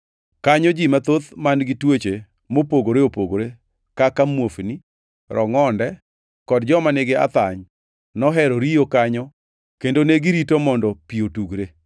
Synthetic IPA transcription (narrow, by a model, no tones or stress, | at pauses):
kaɲɔd͡ʒimat̪ot̪manɡitwet͡ʃe | mopoɡoɾeopoɡoɾe | kakamwofni | ɾʔɔŋɔndɛ | kɔdd͡ʒɔmaneɡea̰t̪aɲ | nɔɦɛɾɔɾijokaɲɔ | kendoneɡiɾitomɔndɔpiotuɡɾe